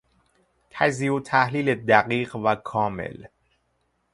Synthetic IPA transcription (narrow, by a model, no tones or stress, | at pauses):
t̪ʰæziːot̪ʰæhliːled̪æɢiːɢvækʰɒːmḛl